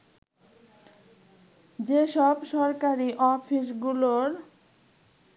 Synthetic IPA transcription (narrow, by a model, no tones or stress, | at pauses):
d͡ʑeʃɔbʃɔɾkaɾiʔɔfʰiʃɡuloɾ